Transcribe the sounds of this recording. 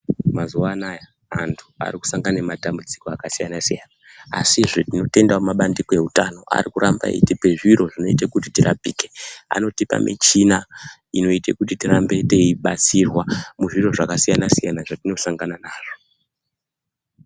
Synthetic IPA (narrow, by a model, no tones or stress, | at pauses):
mazuwanaja | antʰu̥a̰riku̥saŋɡanematambud͡ziko̞akasijanasijana | a̰siʐetino̞te̞ndamumaɓandikoe̞ɦutano̞ʔa̰rikuɾamba̰ḭtipe̞ʐiɾo̞ʐino̞itekutitirapiːke̞a̰no̞tipa̰mʔḭt͡ʃina | ino̞itekutitirambe̞te̞iɓat͡sirwamuʐiro̞ʐakasijanasijanaʐatino̞saŋɡananaːʐo̞